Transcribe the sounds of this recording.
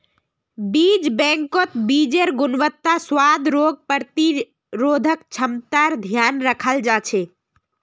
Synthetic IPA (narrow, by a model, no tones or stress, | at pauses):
bid͡ʒbɛ̃ŋkot̪bid͡ʒeɾɡunʋət̪ːaswad̪ʱɾoɡ̚pəɾt̪i | ɾod̪ʱəkt͡ʃʰəmt̪aɾd̪ʱjanɾəkʰəld͡ʒat͡ʃʰe